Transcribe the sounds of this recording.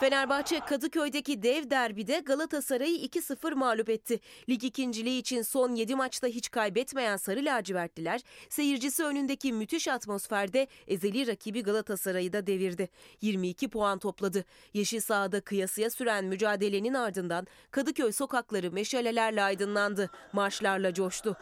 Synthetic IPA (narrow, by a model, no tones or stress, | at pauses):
fe̞næɾbaxt͡ʃʰɛkʰad̪ɯcʰø̞jd̪e̞cid̪ɛvd̪æɾbid̪ɛɡalˠat̪ʰasaɾajɯicʰisɯfɯɾmaːlʲupɛt̪ʰːɪlʲicicʰind͡ʒilʲiːt͡ʃʰinso̞nje̞d̪imat͡ʃt̪aɦit͡ʃkʰajbɛt̪me̞jænsaɾɯlʲaːd͡ʒivæɾt̪lʲilʲæɾ̥se̞jiɾd͡ʒisiø̞nynd̪e̞cimyt̪ʰiʃat̪mo̞sfæɾd̪ɛeze̞lʲiɾacʰibiɡalˠat̪ʰasaɾajɯd̪ad̪e̞viɾd̪ɪjiɾmiːcʰipʰo̞ant̪ʰo̞plˠad̪ɯ | jaʃɯsaːd̪akʰɯjasɯjasyɾænmyd͡ʒaːd̪e̞lʲe̞ninaɾd̪ɯnd̪an | kʰad̪ɯcʰøjso̞kaklˠaɾɯmeʃhalʲe̞lʲæɾlʲɛajd̪ɯnlˠand̪ɯmat͡ʃlˠaɾlˠad͡ʒo̞ʃt̪ʊ